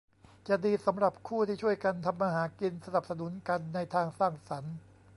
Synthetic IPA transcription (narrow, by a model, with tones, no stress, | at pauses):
t͡ɕa˨˩diː˧sa˩˦mɾa˨˩p̚kʰuː˥˩t̪ʰiː˥˩t͡ɕʰu˥˩əjka˧nt̪ʰa˧mːaː˧ɦaː˩˦ki˧nsa˧na˨˩p̚sa˧nu˩˦nka˧nːa˧jt̪ʰaː˧ŋsaː˥˩ŋsa˩˦n